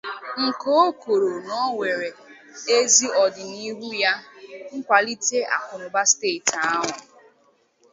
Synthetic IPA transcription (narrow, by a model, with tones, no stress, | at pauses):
ŋ̩˨ko˦o˦ko˨ɾo˨nɔ˦ŋʷe˨ɾe˨ | e˦zi˦ɔ˨dɪ˨ni˦ɦu˦ja˦ŋ̩˦kʷa˨li˦te˦a̰˨kʊ˨ɾʊ˨ba˦steː˦˨ta˦ɦʊ˨